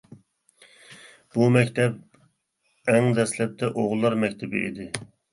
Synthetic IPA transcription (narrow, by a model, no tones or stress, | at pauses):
b̥umɛkʲt̪ʰɛp̚ | ɛŋd̪ɛslɛp̚t̪ʰɛʔoʁllˠːɑɾmɛkʲt̪ʰɪbɪ̰ḭd̪ɪ